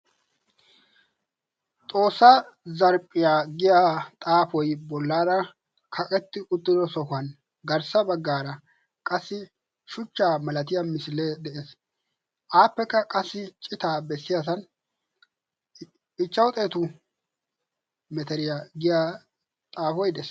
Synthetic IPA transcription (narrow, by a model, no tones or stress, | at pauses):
t͡sʼo̞ːsːɐzɐɾpʼːɪjaɡɪjaːt̪ʼaːfɔjbɔlːaːɾɐ | kʰɐkʼɛt̪ːɪʔʊt̪ːɪd̪ɔsɔkɐn | ɡɐɾsɐbɐɡːaːɾɐ | kʼɐsːɪ | ʃʊt͡ʃːaːmɐlɐt̪̬ɪjɐmɪsɪlɛd̪ɛʔeːs | ʔaːpːɛkːɐkʼɐsːɪt͡ʃʼɪt̪aːbɛsːɪjas̬ɐn | ɪt͡ʃːɐwt̪ʼe̞ːt̪ʊ | mɛt̪ɛɾɪjaɡɪja | t̪ʼaːfɔjd̪ɛs